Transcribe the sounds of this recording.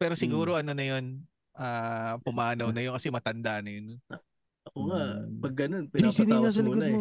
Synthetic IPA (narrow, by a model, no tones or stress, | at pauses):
pɛːɾo̞sɪɡuːɾo̞ʔɐnonɐjo̞n | ʔaːpʊmaːnɐwnɐjonkɐsɛmɐt̪ɐnd̪aʔnɐjon | ʔɐkoŋapɐɡːɐno̞npɛisninɐsɐlɪɡnmo